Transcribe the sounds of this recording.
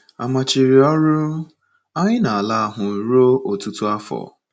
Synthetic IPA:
a̰˨ma˨t͡ʃi˨ɾi˨ɔ˦ɾʊ˦ | a˦ɲɪ˦na˨a˨la˦˨ɦʊ˨ɾu˦o˦ʔo˨tu˦tu˦a˦fɔ̰˨

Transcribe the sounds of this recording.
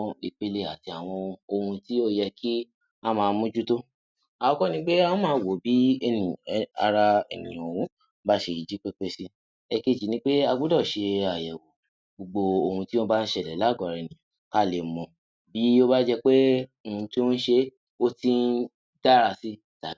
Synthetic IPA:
i˨k͡pe˧le˧˨a˨ti˧a˨w̃ɔ̃˧o˧hũ˧ti˦o˦jɛ˧kʰi˦ | a˦mãː˨˧mũ˦d͡ʒu˦to˦ | a˨wɔ˧kɔ˦nĩ˧˦k͡pe˦ã˦mãː˨˦˨wo˨bi˨˦e˦˧˨nĩ˨a̰˧ɾa˧ɛ̰˨nḭ̃˨jwũ˨˦ | ba˦ʃe˧i˨d͡ʒi˦k͡pe˦k͡pe˦si˦ | ɛ˧ke˦˨d͡ʒi˨nĩ˦k͡pe˦a˧ɡu˦dɔ˦˨ʃe˧a˨jɛ˨wo˨ | ɡ͡bo˧ɡ͡bo˧o˧hũ˧ti˦õ˦ba˦n̩˦ʃɛ˧˨lɛ˨la˨˦˨ɡɔ˨ɾɛ˨nĩ˨ | ka˦˨le˨mɔ̃˧ | bi˨˦o˦ba˦d͡ʒɛ˧k͡pe˦ | o˧hũ˧ti˦o˦n̩˦ʃe˧˦ | o˦ti˦n˦ | da˦ɾa˧si˦˨ta˨˦

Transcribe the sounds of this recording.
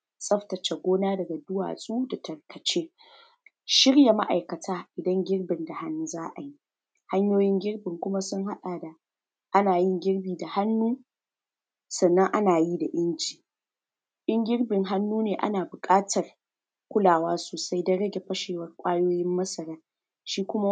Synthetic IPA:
sʼɐ˦ɸtɐ˨t͡ʃa˨ɡʷoː˦naː˦dɐ˨ɡa˨dʊ˦wa̰ː˨sʼuː˦da˨tʰɐ˨rkʰɐ˨t͡ʃeː˦ | ʃɪ˦ɽja˨ma˦ʔa˨jkɐ˨tʰaː˦ʔɪ˨dɐ˦ŋɡʲɪ˦ɽbɪ˨nda˨ha˦nːu˦zaː˦ʔa˨ji˦ | ha˦ɲjoː˦jɪ˦ŋɡʲɪ˦rbɪ˨ŋkʷʊ˦ma˦sʊ˦ŋɦa˦ɗaː˨da˨ | ʔa˦naː˨jɪ˦ŋɡʲɪ˦rbiː˨da˨ha˦nːuː˦ | sɐ˨nːɐ˦ŋʔa˦naː˨ji˦da˨ʔɪ˦nt͡ʃi̥ː˨ | ʔɪ˦ŋɡʲɪ˦rbɪ˨ŋɦa˦nːuː˦neː˨ʔa̰˦naː˨bʊ˨kʼaː˦tʰɐ˨r | kʷʊ˦laː˨waː˦soː˨sa˦jdɐ˦ɽɐ˦ɡʲe˨ɸɐ˦ʃeː˨wɐ˦rkʷʼaː˦joː˦jɪ˦mːɐ˦sɐ˨ɾɐ˦r | ʃiː˦kʷʊ˦ma˦

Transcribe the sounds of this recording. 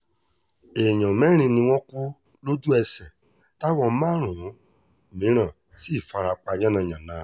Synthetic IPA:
e˨ɲɔ̃˨mɛ˦ɾ̃ĩ˧nũ˧w̃ɔ̃˦ku˦ | lo˦du˦ɛ˧sɛ˨ | ta˦wɔ̃˧mã˦ɾ̃ũ˨˦˨ | mĩ˨˦ɾ̃ã˦˨ | si˦˨fa˧ɾa˧k͡pa˧ɲã˦nã˧˨ɲã˨nã˨˦

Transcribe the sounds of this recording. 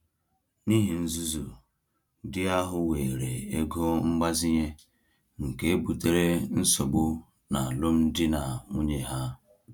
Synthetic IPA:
ni˦ɦi˨n̩˦zu˦zu˨ | dɪ˦a˦ɦʊ˦we˨ɾe˨e˦ɡo˦ŋ͡m̩˦ɡ͡ba˦zi˦ɲe˦ | ŋ̩˨ke˦e˦bu˨te˦ɾe˦n̩˦sɔ˨ɡ͡bʊ˦ | na˨lo˦m̩˦dɪ˦na˨ŋu˦ɲe˨ɦa˦

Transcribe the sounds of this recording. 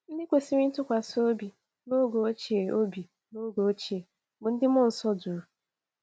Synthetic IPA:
n̩˦dɪ˦kʷe˨si˦ɾi˦tʊ˦kʷa˨so˦bi˨ | no˦ɡo˨o˦t͡ʃe˨o˦bi˨ | no˦ɡo˨o˦t͡ʃi˨e˨ | bʊ˨n̩˦dɪ˦m˦ʊ˦˨n̩˨sɔ˦du˨ɾu˨

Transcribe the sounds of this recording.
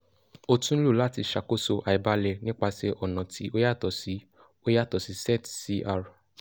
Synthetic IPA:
o˧tũ˦lu˦˨la˦ti˧ʃa˨ko˦so˧ʔa˨i˨ba˧lɛ˧nĩ˦k͡pa˧sɛ˧ʔɔ˨nã˨ti˨˦o˦ja˦˨tɔ˨si˨˦ | o˦ja˦˨tɔ˨si˨˦sɛ˦˨tsi˦˧ʔa˧˨ɾ

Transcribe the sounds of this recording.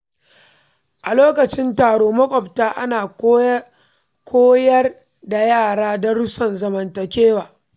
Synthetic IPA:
ʔa˨loː˦kɐ˨t͡ʃɪ˦ntaː˨ɽoː˦mɐ˦kʷʼɔ˨btaː˦ʔa̰˦naː˨˦ | kʷʰoː˦jɐ˦r | da˨jaː˦˨ɽaː˦dɐ˦ɽʊ˦sɐ˨nzɐ˨mɐ˨ntɐ˨kʲeː˦waː˨

